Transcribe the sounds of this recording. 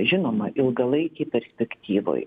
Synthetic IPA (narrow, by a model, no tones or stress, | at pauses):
ʒʲɪnoːmɐʔɪlˠɡɐlˠɐɪkʲɛɪpʲɛɾʲsʲpʲɛkt̪ʲiːʋo̰j